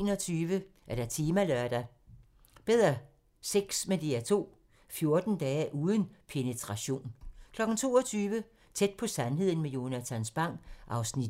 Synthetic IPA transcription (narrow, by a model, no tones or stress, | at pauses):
nɒt͡sʰyːʋə | ʔæɐɾ̥æ̈t͡sʰiːmælœɐd̥æ | b̥eð̞̰ˠʁɐ | seɡ̥smend̥iæɐt͡sʰo̝̰ː | fjo̝ɐd̥n̩d̥ɛːʔuːð̞ˠən̩pʰe̝nət͡sʰʁɑ̈ɕo̝̰ːnkʰlɒ̽ɡ̥n̩t͡sʰo̝̰ːɒt͡sʰyːʋə | t͡sʰed̥̚pʰɒ̽sænɦe̝ð̞̰ˠn̩mejo̝næt͡sʰænsb̥ɑ̈ŋ̰̥ʔɑ̈ʊsnid